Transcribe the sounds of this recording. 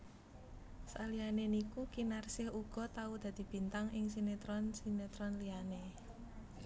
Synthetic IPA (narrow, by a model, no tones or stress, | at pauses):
sa̰lianenikukinarsɪhuɡ̥ɔ̤t̪aud̪̥a̤d̪̥i̤b̥i̤nt̪aŋʔɪŋsinet̪ɾɔnsinet̪ɾɔnliane